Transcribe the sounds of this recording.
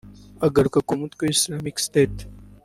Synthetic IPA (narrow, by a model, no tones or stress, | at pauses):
ɐɡɐɾkɐkumut̪koislaːmikst̪eːt̪